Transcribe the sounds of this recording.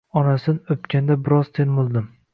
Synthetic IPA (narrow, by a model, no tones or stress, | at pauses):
ɒnasɪnɵpkʲand̪abɪɾɒz̥t̪ʰenbolˠd̪ɪm